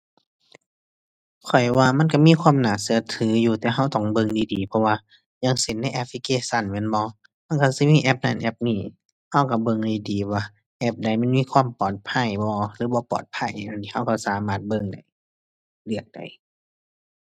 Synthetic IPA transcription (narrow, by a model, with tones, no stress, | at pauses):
kʰɔ˨˩jwaː˧ma˧˥˨nka˧˩miː˧˥˨kʰwaː˧˥˨mnaː˨˩˨sɯ˧˨ɐt̪ʰɯː˨˦juː˧˩t̪ɛː˨˩ɦa˧˩˨wt̪ɔ˧˩ŋbɤ˧˨ŋdiː˨˦diː˨˦pʰɔ˧waː˧ | jaː˧˨ŋse˨˦nːa˧˨jʔɛ˧˥p̚ʰli˧keː˧sa˧˩˨nmɛː˧˥˨nbɔː˧˦ | ma˧˥˨nka˧˩si˧˦miː˧˥˨ʔɛ˧p̚na˧˨nʔɛ˧p̚niː˧˩ | ha˧˩wka˧˩bɤ˧ŋdiː˧diː˨˦waː˧˩ | ʔɛ˧˥p̚da˨˩jma˧˥˨nmiː˧˥˨kʰwaː˧˥˨mpɔː˨˩t̪̚pʰa˧˥˨jbɔː˧lɯː˨˦bɔː˧˦pɔ̰ː˨˩t̪̚pʰa˧˩˨ja˧˨nt̪ʰiː˧ha˧˩wka˧˩saː˨˦maː˧˩t̪̚bɤ˧˨ŋda˨˩j | lɯ˧˩ək̚d̥a̰˨˩j